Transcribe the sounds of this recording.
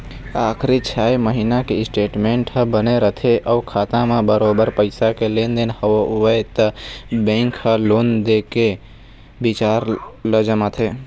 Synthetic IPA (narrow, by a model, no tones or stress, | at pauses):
aːkʰɾit͡ʃʰaːjməɦinakeɪsʈeːʈmẽːɳʈɦə̃bəneɾət̪ʰeʔəʊkʰaːt̪ãmẽbəɾobəɾpəɪsakeleːnd̪enhəʋoʋət̪əbẽːŋkhəloːnd̪eːke | bɪt͡ʃaːɾləd͡ʒəmat̪ʰe